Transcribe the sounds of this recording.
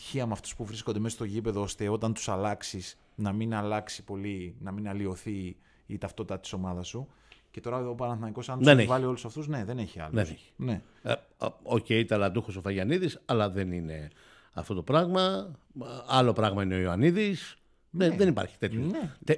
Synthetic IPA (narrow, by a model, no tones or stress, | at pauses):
t̪i̥çiɐmeɐft̪u̥spuvɾiskond̪eesɐst̪o̞ʝipe̞ðoost̪e̞o̞t̪ɐnt̪u̥sɐlɐksis | nɐminɐlɐksipo̞linɐminɐlio̞θiː | t̪ɐft̪o̞t̪it̪ɐt̪i̥so̞mɐðɐsu | ce̞t̪o̞ɾɐopɐnɐθnɐniko̞sɐnt̪senivɐlio̞lusɐft̪uzne̞ðe̞neçiɐ̰lee̥ | ne̞ | oceit̪ɐlɐd̪uxosofɐʝɐniðisɐlɐðe̞nine̞ | ɐ̰ft̪o̞t̪o̞pɾɐɣmɐ | ɐlo̞pɾɐɣmɐineo̞iɐniðis | eðenipɐ̰ɾçi̥t̪e̞t̪jonet̪e